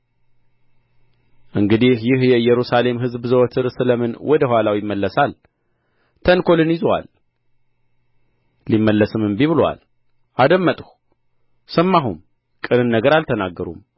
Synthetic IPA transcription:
ʔɨŋɡɨd̪ihjɪhjɛɨjːɛɾusale̞mɦɨzbzəwɔt̪ʰɨɾsɨləmɨnwɔd̪əhwʷalawjɪmːəlːəsal | t̪ʰənkʰo̞lɨnjɪzwa̰l | imːəlːəsɨmɨmbiβɨlwa̰l | ʔad̪əmːət̪ʼh | səmːaɦum | kʼɨnɨnːəɡəɾalt̪ʰənaɡːəɾṵm

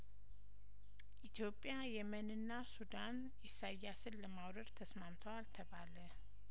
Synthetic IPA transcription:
ʔit̪ʰijo̞pʼjajɛmənɨnːasud̪an | ɪsajːasɨnːəmawɾəɾt̪ʰəsmamt̪ʰəwalt̪ʰəbalə

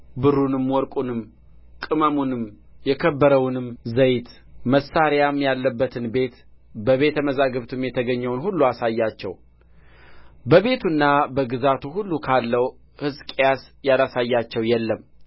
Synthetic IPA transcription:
bɨɾunɨmwɔɾkʼunɨm | kʼɨməmunɨm | jɛkʰəbːəɾəwnɨmzəjt̪ | məsːaɾjamjalːəbːət̪ʰɨnbe̞t̪ | bəβe̞t̪ʰəməzaɡəβt̪ʰɨmjɛt̪ʰəɡəɲːɛwnhulːuasajːat͡ʃːɛ̰w | bəβe̞t̪ʰunːabəɡɨzat̪ʰuhulːukʰalːəw | hɨzkʼjasjalasajːat͡ʃːɛwjɛlːəm

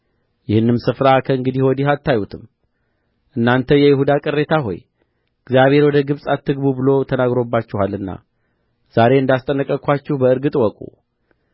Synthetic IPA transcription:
jɪhɨnːɨmsɨfɾakʰəɨŋɡɨd̪ihwɔd̪ihat̪ʰːajut̪ʰɨm | ʔɨnːant̪ʰəjɛjɪhud̪akʼɨrːe̞t̪ʰaɦo̞̰j | ɨɡzjaβhe̞ɾwɔd̪əɡɨβsʼat̪ʰːɨɡbubɨlo̞t̪ʰənaɡɾo̞bːat͡ʃːɪhalːɨnːa̰ | z̥aɾe̞ɨnd̪ast̪ʼənːəkʼːəkʰʷat͡ʃːɪhbəɨɾɡɨt̪ʼwɔkʼṵ

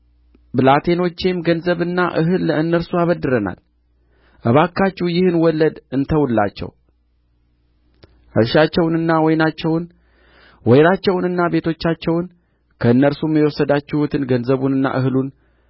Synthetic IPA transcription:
bɨlat̪ʰe̞no̞t͡ʃːemɡənzəβɨnːaʔɨɦɨlːəɨnːəɾsuaβəd̪ːɨɾəna̰l | ʔəβakʰːat͡ʃːujɪhɨnwɔlːəd̪ɨnt̪ʰəwulːa̰t͡ʃːɛ̰w | ʔɨɾʃat͡ʃːɛwnɨnːawɔjnat͡ʃːɛwn | wɔjɾat͡ʃːɛwnɨnːabe̞t̪ʰo̞t͡ʃːat͡ʃːɛwn | kʰəɨnːəɾsumːiwɔsəd̪at͡ʃːɪhut̪ʰɨnɡənzəβunɨnːa̰ʔɨɦɨlun

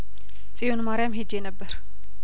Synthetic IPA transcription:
t͡sʼijonmaɾjamɦed͡ʒenəbːəɾ

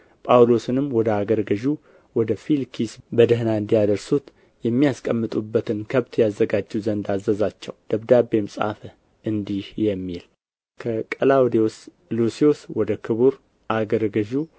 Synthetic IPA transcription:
pʼawlo̞sɨnɨmːwɔd̪əaɡəɾɡəʒu | wɔd̪əfilkʰisbəd̪əɦnaɨnd̪ijad̪əɾsut̪ | jɛmːijaskʼəmːɨt̪ʼubːət̪ʰɨnkʰəβt̪jazːəɡad͡ʒːuzənd̪azəzat͡ʃːɛ̰wd̪̥əβd̪abe̞msʼa̰fə | ʔɨnd̪ihjɛmːil | kʰəkʼəlawd̪eos | lusioswɔd̪əkʰɨβuɾ | ʔaɡəɾɡəʒu

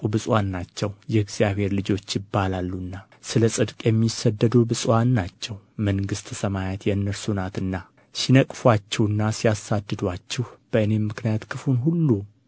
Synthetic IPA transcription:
bɨsʼwanːat͡ʃːɛwjɛɨɡz̥ijaβhe̞ɾlɨd͡ʒo̞t͡ʃːjɪbːalalːunːa | sɨləsʼɨd̪kʼjɛmːisəd̪ːəd̪ubɨsʼwanːat͡ʃːɛwməŋɡɨst̪ʰəsəmajat̪ʰjɛɨnːəɾsunat̪ɨnːa | sinəkʼfwat͡ʃːɛwɨnːasijasad̪ːɨd̪at͡ʃːɪhb̥əɨne̞mɨknijat̪kʰɨfunɦulːu

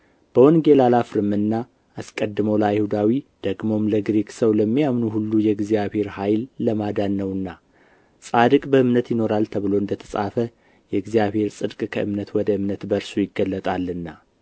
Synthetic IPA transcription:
b̥əwɔnɡe̞lalafɾɨmɨnːa | askʼəd̪ːɨmolajhud̪awid̪̥əɡmo̞mləɡɾeksəwləmːijamnuhulːujɛɡzijaβhe̞ɾhajlːəmad̪anːəwɨnːa | sʼad̪ɨkʼbəɨmnət̪jɪno̞ɾalt̪ʰəβɨlo̞ɨnd̪ət̪ʰə̥sʼa̰fə | jɛɨɡzijaβhe̞ɾsʼɨd̪kʼkʰəʔɨmnət̪wɔd̪əɨmnət̪bəɾsujɪɡːəlːət̪ʼalːɨnːa

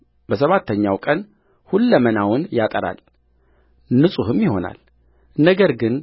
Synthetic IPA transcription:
bəsəβat̪ʰːəɲːawkʼən | hulːəmənawʊnjat̪ʼəɾa̰l | nɨsʼuhɨmjɪho̞na̰l | nəɡəɾɡɨn

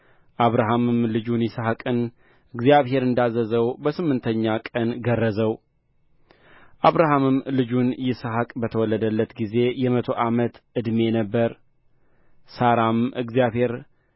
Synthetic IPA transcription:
ʔaβɾaɦamɨmlɨd͡ʒunjɪsəhakʼɨn | ʔɨɡzijaβhe̞ɾɨnd̪azəzəwbəsɨmːɨnt̪ʰəɲːakʼənɡərːəzəw | ʔaβɾaɦamɨmlɨd͡ʒunjɪsəɦakʼbət̪ʰəwɔlːəd̪əlːət̪ɡize̞jɛmət̪ʰo̞ʔamət̪ʔɨd̪me̞nəbːəɾ | saɾamɨɡzijaβhe̞ɾ

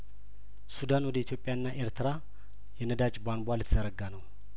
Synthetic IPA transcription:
sud̪anwɔd̪əit̪ʰjo̞pʼːjaɨnːaʔeɾt̪ʰɨɾa | jɛnəd̪at͡ʃʼbanbʷalɨt̪ʰːzəɾəɡanəw

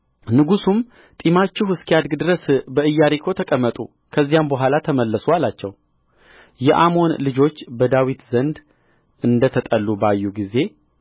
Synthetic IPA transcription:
nɨɡusum | t̪ʼimat͡ʃːɪhɨskijad̪ɡd̪ɨɾəsbəɨjːaɾikʰo̞t̪ʰəkʼəmːət̪ʼṵ | kʰəzːijambəɦʷalat̪ʰəməlːəsualat͡ʃːɛw | jɛʔamo̞nlɨd͡ʒo̞t͡ʃːbəd̪awit̪zənd̪ | ɨnd̪ət̪ʰət̪ʼəlːubajːuɡize̞

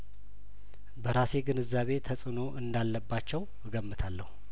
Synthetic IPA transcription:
bəɾase̞ɡɨnɨzːaβe̞t̪ʰəsʼɨno̞ʔɨnd̪alːəbːat͡ʃːɛw | ɡəmːɨt̪ʰalːəhu

